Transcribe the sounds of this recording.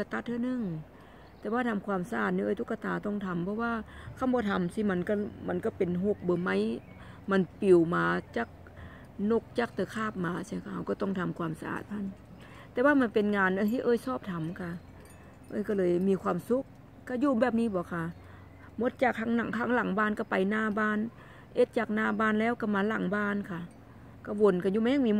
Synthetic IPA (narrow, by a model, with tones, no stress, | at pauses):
ka˧t̪a˧t̪̚ʰɯː˧˨nɯ˧˩˨ŋ | t̪ɛː˧waː˧t̪ʰa˧˦mkʰwaː˧˨msa˧ʔaː˨˩t̪̚niː˧ɤː˧˨t̪ʰu˧kːa˧t̪aː˨˦t̪ɔ˧˩ŋt̪ʰa˨˦mpʰɔ˧waː˧˨kʰa˧˥˨mbɔː˧˦t̪ʰa˨˦msiː˧ma˧˨nka˧˩ma˧˥˨nka˧˩pe˨nɦo˧˩k̚bɤː˨˧˦ma˧˥j | ma˧˥˨npi˨˩wmaː˨˧t͡ɕa˧˦k̚ | no˧˩k̚t͡ɕa˧˥k̚t̪ɯː˧kʰaː˧˩p̚maː˨˧si˧˨˧kʰa˧˩ha˧˩wkɔ˧˩t̪ɔ˧˥˩ŋt̪ʰa˧˦mkʰwaː˧˦msa˧ʔa̰ː˨˩t̪̚pʰa˧˥n | t̪ɛː˧waː˧˨ma˧npe˨nŋaː˨˧nʔɤː˧˨t̪ʰi˧˨ʔɤː˧˨jsɔː˧˩p̚t̪ʰa˨˦mkʰa˧˩ | ʔɤː˧˨jkɔ˧˩lɤː˨˧jmiː˧˦kʰwaː˧˨msu˧˦k̚ː | a˧˩juː˧bɛː˧˩p̚niː˧˥˨bɔː˨˦kʰa˧˩ | mo˧˥˦t̪̚t͡ɕaː˨˩k̚tʰa˧˦ŋna˨ŋkʰaː˧˦ŋla˨˩˦ŋbaː˧˥˨nka˧˩pa˨jnaː˧˩baː˧˨n | ʔe˧˦t̪̚t͡ɕaː˨˩k̚naː˧˩baː˧˥˨nlɛː˧˥˨wka˧˩maː˧˦la˨˩˦ŋbaː˧˥˨nkʰa˧˩ | ka˧˩wo˧nka˧˩juː˧˨ma˧˦ja˧ŋmiː˧˦